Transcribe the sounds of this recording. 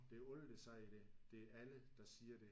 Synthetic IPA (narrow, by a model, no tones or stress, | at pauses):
d̥e̝ɔld̥esɑɪ̰id̥ed̥e̝ææləd̥ɑ̈siːɐd̥e̝